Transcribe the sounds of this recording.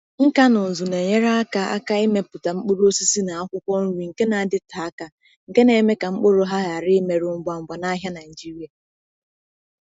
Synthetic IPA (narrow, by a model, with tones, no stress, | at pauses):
ŋ̩˦ka˦nʊ˨n̩˨zu˨ne˨ɲe˦ɾa˦a˦ka˦a̰˦ka˦i˦me˨pʊ˨ta˨ŋ͡m̩˦k͡pʊ˦ɾo˦o˦si˦si˦na˨a˦kʷʊ˦kʷɔ˦n̩˦wi˨ŋ̩˨ke˦na˨a˨dɪ˦ta˨a˦ka˨ | ŋ̩˨ke˦ne˨˦˨me˦ka˨ŋ͡m̩˦k͡po˦ɾo˦ɦa˦ɣa˨ɾɪ˦me˨ɾʊ˨ŋ͡m̩˨ɡ͡ba˨ŋ͡m̩˨ɡ͡ba˨na˦ɦja˦na˨d͡ʒi˦ɾi˨˦a˨